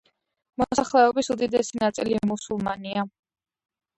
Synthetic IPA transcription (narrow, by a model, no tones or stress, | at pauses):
mɔsaχlɛɔbisud̪id̪ɛsinat̪sʼḭlimusulˠma̰nia